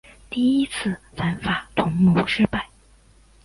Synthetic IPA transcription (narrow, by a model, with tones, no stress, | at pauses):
t̪i˥˩i˥t͡sʰɹ̩˥˩ | fa˧˥nfa˨˩t̪ʰʊ˧˥ŋnu˧˥ŋʂɻ̩˥pa˥˩ɪ